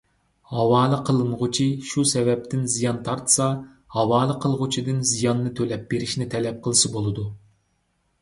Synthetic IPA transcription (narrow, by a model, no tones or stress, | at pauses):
hɑwɑːlˠɨqʰəlˠɨnʁʊt͡ʃʰiʃusɛvɛp̚t̪ʰɪnzijɑnt̪ʰɑɾt̪ʰɨ̥sɑ | hɑwɑːlˠɨqʰəlˠʁʊt͡ʃʰid̪ɨnzijɑnːɨt̪ʰølɛp̚b̥eɾɪʃnɪt̪ʰɛlɛp̚qʰəlˠɨʃɨbolˠɨd̪u